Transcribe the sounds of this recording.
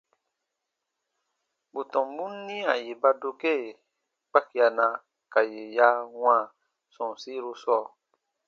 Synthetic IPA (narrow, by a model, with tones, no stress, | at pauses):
bu˨tɔ̃˨mbu˦nː˦ĩ˦a˨je˨ba˧do˧ke˦˨ | k͡pa˦ki˨a˨nã˨ | ka˨je˨ja˦wã˦˨ | sɔ̃˨si˦ɾo˧sɔː˦˨